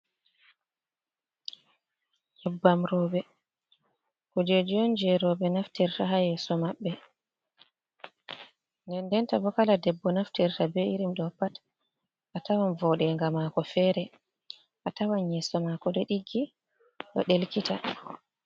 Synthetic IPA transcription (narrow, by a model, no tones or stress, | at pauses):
jɛbːamɾɔːbɛ | kud͡ʒed͡ʒɔnd͡ʒɛɾɔbɛnaftɛɾtaɦajɛsɔmaɓːɛ | ndɛndɛntabɔkaladɛbːɔnaftɛɾtabɛiɾimɗɔpat | ʔatawanvɔɗɛŋɡamakɔfɛɾɛ | ʔatawanjɛsɔmakɔɗɛɗiɡːi | ɗɔ̰ɗelkita